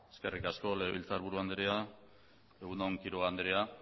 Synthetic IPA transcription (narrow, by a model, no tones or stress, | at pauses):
eske̞rikasko̞leβḭlt͡saɾβuɾuand̪eɾea | eɣunoŋkiɾoand̪eɾea